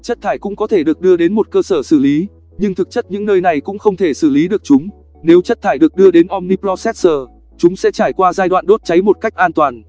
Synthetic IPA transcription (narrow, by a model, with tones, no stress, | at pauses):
t͡ɕə˦˥t̚t̪ʰaː˧˩jkʊ̰˧˥ŋ͡mkɔ˨˦t̪ʰe˧˩ɗɨ˨˩ək̚ɗɨ˧əɗe˨˦nmo˨˩t̚kəː˧səː˧˩sɨ˧˩li˨˦ | ɲɨ˧ŋt̪ʰɨ˨˩k̚t͡ɕə˦˥t̚ɲɨ̰˧˥ŋnəː˧jna˨˩jkʊ̰˧˥ŋ͡mxə˧wŋ͡mt̪ʰe˧˩sɨ˧˩li˨˦ɗɨ˨˩ək̚t͡ɕʊ˨˦ŋ͡m | ne˨˦wt͡ɕə˦˥t̚t̪ʰaː˧˩jɗɨ˨˩ək̚ɗɨ˧əɗe˨˦nʔɔ˧mni˧plɔ˧sɛ˦˥t̚səː˨˩ | t͡ɕʊ˨˦ŋ͡msɛ̰˧˥t͡ɕaː˧˩jkwaː˧zaː˧jɗwa̰ː˧˨nɗo˦˥t̚t͡ɕa˨˦jmo˨˩t̚ka˦˥jk̟̚ʔaː˧nt̪waː˨˩n